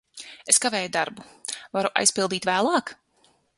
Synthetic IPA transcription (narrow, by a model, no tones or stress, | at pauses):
eskaveːjud̪aɾbuvaɾuʔa̰jspilˠd̪iːt̪væːlˠɑːk